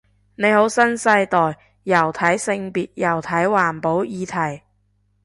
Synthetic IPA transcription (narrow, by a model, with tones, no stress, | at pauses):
ne˨˧jho˨˥wsɐ˥nsɐ˧jt̪ɔː˨j | jɐ˨˩wt̪ʰɐ˨˥jsɪ˧ŋpiː˨t̚jɐ˨˩wt̪ʰɐ˨˥jwaː˨˩npo˨˥wjiː˨˧t̪ʰɐ˨˩j